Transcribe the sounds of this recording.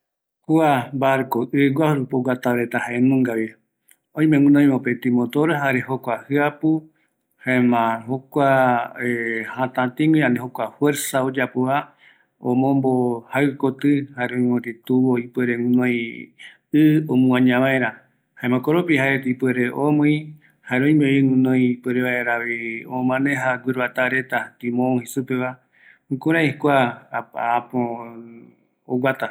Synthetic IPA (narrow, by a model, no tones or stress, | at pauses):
kuabaɾkoʔɨɡʷwʷahɾupoɡat̪aβɾet̪ahaẽnũŋɡaβi | õj̃mẽŋũnõj̃mopet̪imõt̪oɾeɦaɾehokʷahɨapu | haẽmãhokʷa | hãt̪ãt̪ĩŋɡiãnd̪eɦokʷafweɾsaod͡ʒapoa | õ̰mõmbohaɨkot̪ɨhaeɾõĩmõɾet̪uβoipeɾeŋũnõj̃ | ɨomũãɲãβaeɾa | haemãkoɾopiɦaeet̪ipweɾeʔomõj̃ | haeɾõĩmeiŋũnõj̃pweɾeβaeɾaβiõmãnẽɦaɡʷiɾβat̪aɾe̞t̪at̪ĩmõhisupeβa | kuɾaikʷaː | põ | oɡʷat̪a